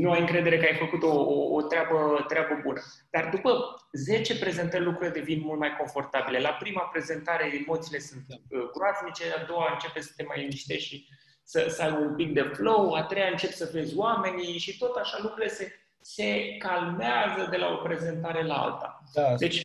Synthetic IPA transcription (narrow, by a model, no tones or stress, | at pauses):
nuajɨŋkɾe̞d̪eɾe̞kajfəkut̪o̞ːt̪ɾʲeabət̪ɾʲeabəbunə | d̪̥ard̪upəze̞t͡ʃe̞pɾe̞ze̞nt̪ərʲlukɾuiled̪e̞vinmult̪̚majko̞ɱfo̞rt̪abile̞lapɾimapɾe̞ze̞nt̪aɾe̞emo̞t̪siːle̞sunt̪ɡɾoaznit͡ʃe̞ad̪o̞waɨnt͡ʃe̞pesə̥t̪e̞majinist̪eʃi | səsəajbəumpik̚d̪e̞flo̞wat̪ɾe̞jaɨnt͡ʃe̞psəve̞zʲwame̞niʃit̪o̞t̪aʃalukɾuile̞se̞ | se̞kalmeazəd̪e̞lao̞pɾe̞ze̞nt̪aɾe̞laa̰lt̪a̰d̪e̞t͡ʃʲ